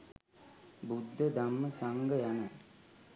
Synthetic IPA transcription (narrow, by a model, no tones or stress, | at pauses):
bud̪ʱːəd̪amːəsaŋɡəjanə